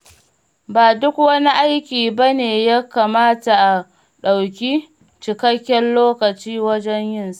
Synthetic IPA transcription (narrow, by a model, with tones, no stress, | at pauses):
baː˨dʊ˦kwɐ˦ni˦ʔa˦jkʲiː˨ba˦neː˨ja˦kaː˨maː˦ta˨ʔa˨ | ɗa˨wk̬ʲi˦ | t͡ʃɪ˨kɐ˦kʲːɛ˦nloː˦kɐ˨t͡ʃiː˦wɐ˦d͡ʒɛ˦ɲjɪ˦˨nsḁ˦ʔ